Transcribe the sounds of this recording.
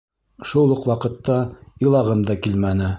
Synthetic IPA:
ʃulˠɤqwɑqɤ̆t̪ːɑɤ̆lˠɑʁɤmd̪ɑkilmænɘ

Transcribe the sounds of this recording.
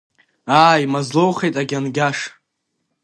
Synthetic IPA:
aːjimazlowχejtʼaɡʲanɡʲaʂ

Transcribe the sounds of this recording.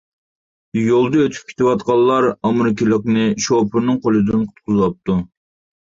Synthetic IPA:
jolˠd̪əøt̪ʰy̥p̚kʲʰe̥t̪ʰɪwɑt̪̚qɑlˠːɑɾɑmɾɪkʲilˠɨqnɨʃopʰɨɾnɨŋqʰolˠɨd̪ɨnqʰʊt̪̚qʰʊzɨlˠɑp̚t̪ʰu

